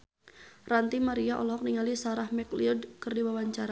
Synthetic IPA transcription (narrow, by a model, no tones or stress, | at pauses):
rant̪imaɾiaʔɔ̰lɔɦɔk̚niŋalisaɾahmɛkliudkɨrdiwawaɲt͡ʃaɾa